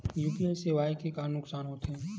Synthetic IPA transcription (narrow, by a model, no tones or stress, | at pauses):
juːpieseʋaːikekaːɾnːʊksaːnɦoːt̪ɛ̃ː